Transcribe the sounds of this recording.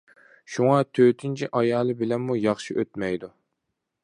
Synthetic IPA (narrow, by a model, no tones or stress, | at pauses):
ʃuŋɑt̪ʰøt̪ʰɪnt͡ʃʰiʔɑjɑːlˠɨbɪlɛnmujɑχʃiʔøt̪mɛjd̪u